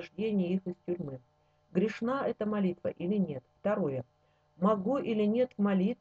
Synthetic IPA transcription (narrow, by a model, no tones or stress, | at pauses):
ʐdʲenʲɪjəixɨstʲʊɾʲmɨ | ɡɾʲɪʂnaɛt̪əmɐlʲit̪və̰ʔilʲɪnʲe̞t̪ft̪ɐɾo̞jə | mɐɡuʔilʲɪnʲe̞t̪vmɐlʲit̪